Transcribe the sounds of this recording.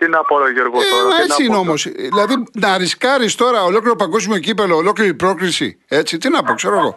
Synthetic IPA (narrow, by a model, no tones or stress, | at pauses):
t̪inɐpoɾoʝeɾɣoemɐent͡siineo̞mosðilɐðinɐɾiskɐɾist̪o̞ɾɐolo̞kliɾopɐŋɡos̬imoecipeloːlo̞kliɾipɾo̞kɾisḭ | et͡sit̪inɐpokse̞ɾoeɣo̞̰